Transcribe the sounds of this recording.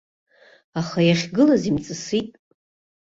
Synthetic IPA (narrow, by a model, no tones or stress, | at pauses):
aχajaχʲɡɨlazimt͡sʼɨsitʼ